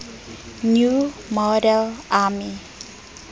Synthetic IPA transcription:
njumɔdɛlami

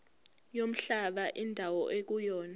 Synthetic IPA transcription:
jom̩ɬaɓaʔindʱawɔʔek̬ujɔːna

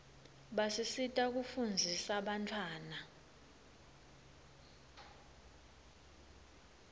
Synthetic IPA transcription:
ɓasisitʼak̬ufund͡zʱisaɓantʰwaːna

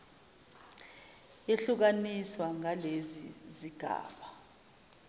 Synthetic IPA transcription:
eɬuk̬aniswaŋaleziziɡ̥ʱa̰ːɓa

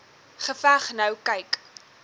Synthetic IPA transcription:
χəfæχnɐwkɐjk

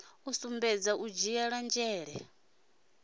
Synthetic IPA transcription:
usumbɛd͡zaʔud͡ʒijaɺand͡ʒɛːɺɛ

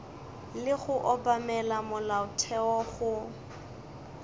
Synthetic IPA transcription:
lɪɣʊʔɔbamɛlamʊlaʊtʰɛɔɣʊ

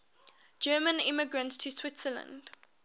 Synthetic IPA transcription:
d͡ʒɜːmə̃nɪmɪɡɹə̃ntstʰəswɪtsələ̰̃nd̥

